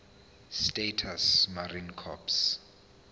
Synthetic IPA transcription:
stetʰasmarinkʰɔ̰ps

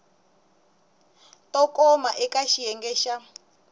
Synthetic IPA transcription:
tɔkɔmaʔɛkaʃijɛŋɡɛʃa

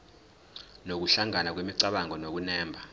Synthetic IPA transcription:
nok̬uɬaŋanak̬wemiǀaɓaŋʱɔnok̬unɛːmbʱa

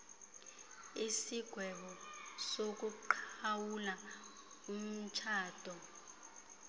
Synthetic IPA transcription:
isiɡ̥ʱwɛɓɔsok̬uǃʰawula | um̩t͡ʃʰaːd̥ʱɔ

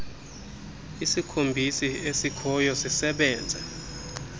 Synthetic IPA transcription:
isikʰombʱisiesikʰɔjɔsisɛɓɛːnd͡zʱɛ̰

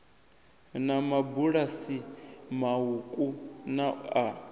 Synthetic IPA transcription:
namabuɺasimaukʼunaa

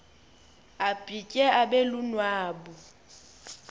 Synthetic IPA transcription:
ab̥ʼicʼɛʔabɛlunwaːbu

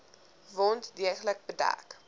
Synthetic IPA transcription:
vɔntdiəχlək̚bədæ̰k

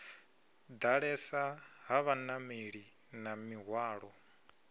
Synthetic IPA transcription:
d̪aɺɛsaɦaβanamiɺi | namiɦwaːɺɔ

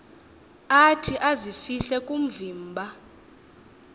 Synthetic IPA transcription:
atʰiʔazifiɬɛkʼum̩viːmbʱa

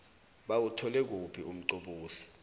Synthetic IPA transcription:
ɓawutʰɔlɛk̬upʰiʔum̩ǀoɓuːsi̥

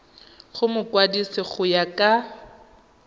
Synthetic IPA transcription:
χʊmʊkwadisɪχʊjakʼa

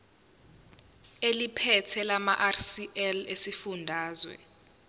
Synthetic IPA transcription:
elipʰɛtʰɛlamaʔarsiʔɛlesifundʱaːzwɛ̰

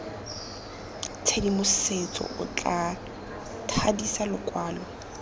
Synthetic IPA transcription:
t͡sʰedimʊset͡sʼɔ̰ʔʊ̰t͡ɬʼa | tʰadisalʊkʼwaːlɔ

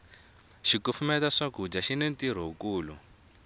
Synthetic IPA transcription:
ʃikufumɛtaʂaɡʱud͡ʒaʃinentiɾ̤ɔɦukuːlu

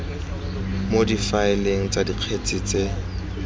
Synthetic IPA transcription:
modifaɪleŋ̩t͡sʼadiq͡χʰet͡sʼiːt͡sʼe

